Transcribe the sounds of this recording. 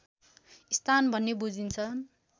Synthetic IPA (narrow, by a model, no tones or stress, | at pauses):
ist̪ʰanbʱʌnːebud͡zint͡sʰʌ